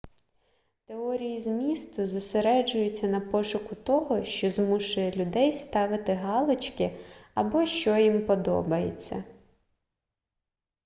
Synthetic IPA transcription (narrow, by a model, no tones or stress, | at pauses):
t̪eɔɾʲijizmʲist̪ʊzʊseɾɛd͡ʒʊjʊt͡sʲːɐnɐpɔʃʊkʊt̪ɔɦɔʃt͡ʃɔzmuʃʊjɛlʲʊd̪ɛjst̪ɑʋɪt̪ɪɦɑlˠɔt͡ʃkɪɐbɔʃt͡ʃɔjimpɔd̪ɔ̰bɐjḛt͡sʲːɐ̰